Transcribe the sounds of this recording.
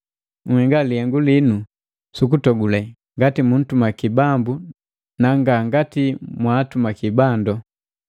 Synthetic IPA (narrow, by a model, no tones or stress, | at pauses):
ŋ̩hɛŋɡalihɛŋɡulinu | sukutɔɡulɛ | ŋɡatimun̩tumakibambu | naŋɡaŋɡatimwaːtumakibandɔ